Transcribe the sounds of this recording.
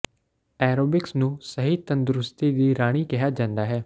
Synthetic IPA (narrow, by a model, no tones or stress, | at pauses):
ɛːɾoːbɪksnũːsəɦiːt̪ənd̪ɾʊst̪iːd̪iːɾaːɽ̃iːkɪɦaːd͡ʒãːnd̪aːɦɛː